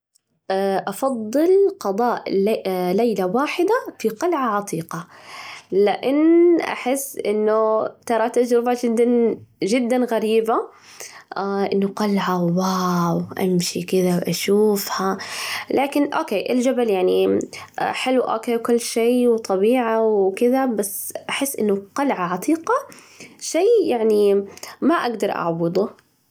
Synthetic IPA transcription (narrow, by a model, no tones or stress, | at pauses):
ʔɑfɑd̪ˤːɨlqɑd̪ˤɑːʔlejlawaːħɪd̪afiqɑlʕaʕɑt̪ˤiːqɑ | lɪʔɪnʔa̰ħɪsːʔɪ̰nːʊt̪ɑɾˤɑt̪ad͡ʒɾɪbad͡ʒɪd̪ːanʒɪd̪ːanɣaɾiːba | ʔɪnːʊqɑlʕawawʔa̰mʃikɪðawʔaʃuːfhalaːkɪnʔoːkeːʔɪld͡ʒabaljaʕni | ħɪlwʔoːkeːwkʊlːʃeːwt̪ˤɑbiːʕawkɪðabasːʔaħɪsːʔɪnːʊqɑlʕaʕɑt̪ˤʰiːqɑ | ʃeːjaʕnimaʔaɡd̪ɑɾˤʔa̰ʕbɨd̪ˤʊ